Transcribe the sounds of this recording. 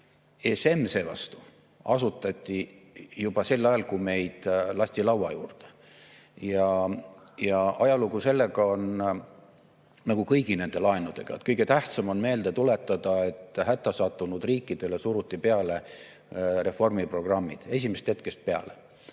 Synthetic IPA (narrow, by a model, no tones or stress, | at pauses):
ese̞mːse̞ːvɑ̰st̪u̥ | ɑsut̪ːˑɑt̪ʲːˑijub̥ɑse̞lːɑjɑlkume̞jd̪̥lɑsʲt̪ilɑwwɑjuːrd̪̥e̥ | jɑ | jɑʔɑjɑluɡuse̞lːe̞ɡɑo̞n | nɑɡ̥ukɤjɡ̥ine̞nd̪̥e̞lɑe̞nud̪̥e̞ɡ̥ɑ̰et̪̚kɤjɡ̥e̞t̪æht̪sɑmo̞nme̞ːld̪et̪ule̞t̪ˑːɑd̪̥ɑe̞t̪ːˑhæt̪ːˑɑsɑt̪ːˑunud̪̥riːkːid̪̥e̞le̞suɾut̪ʲːˑipe̞ɑle̞ | re̞fo̞rmipro̞ɡ̥rɑmːid̪̥e̞s̬ʲimest̪het̪̚ke̞st̪̚pe̞ɑ̰le